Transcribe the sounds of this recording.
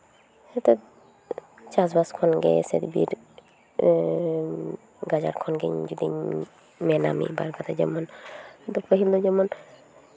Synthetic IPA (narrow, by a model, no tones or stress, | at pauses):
hɛt̪ɔ | t͡ʃas̬baskʰɔnɡɛ̰sḛd̪bḭɾ | ɡad͡ʒa̰ɾkʰɔnɡɛ̰ɲd͡ʒud̪ḭ | mɛna̰mḭbaɾɡat̪ad͡ʒɛ̰mɔnd̪ɔpʰəɦild̪ɔd͡ʒɛmɔn